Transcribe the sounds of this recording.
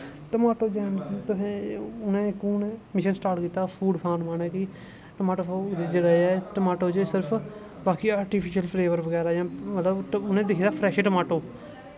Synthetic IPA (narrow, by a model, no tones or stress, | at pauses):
ʈəmaːʈoːd͡ʒɛːnt̪ʊsẽːʊnẽːkuːnmɪʃənsʈaːɾʈkiːt̪ːaːpʰuːɖpʰãːɾmaːɳeːki | ʈəmaːʈoːod̪d͡ʒəɽaɛːʈəmaːʈoːd͡ʒesɪɾpʰ | baːkiːaːɾʈiːpʰɪʃəlpʰleːʋəɾʋəɡɛːɾaːjãːmət̪ləbʊnẽːd̪ɪkʰid̪aːpʰɾɛːʃeːʈəmaːʈoː